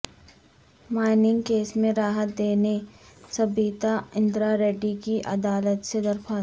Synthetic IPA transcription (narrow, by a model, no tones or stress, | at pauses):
maːɪnɪ̃ŋɡkeːsmẽɾaːɦət̪̚d̪eːnesɐbiːt̪aɪ̃nd̪ɾaɾeːɖikiʔɐd̪aːlət̪sed̪ɐɾpaː